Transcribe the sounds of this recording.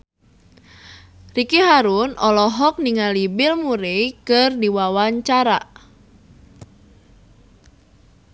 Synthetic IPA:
rikiɦaɾunɔlɔɦɔk̚niŋalibɪlmuɾejkɨrdiwawaɲt͡ʃaɾa̰

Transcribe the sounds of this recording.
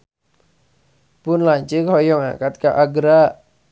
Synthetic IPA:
pʊnlaɲt͡ʃəkhɔjɔŋa̰kat̪̚kaʔaɡɾa

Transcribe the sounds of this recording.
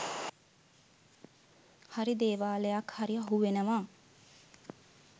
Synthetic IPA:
haɾid̪eːʋaːləjakhaɾiaɦuʋenəʋaː

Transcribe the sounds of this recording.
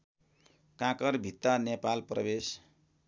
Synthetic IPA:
kãkʌrbʱit̪ːanepalprʌbes

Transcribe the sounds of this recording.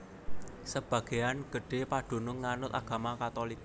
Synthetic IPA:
səb̥ä̤ɡ̥e̤janɡ̥ə̤ɖ̥e̤paɖ̪̥o̤nʊŋːanʊt̪aɡ̥ä̤makat̪olik

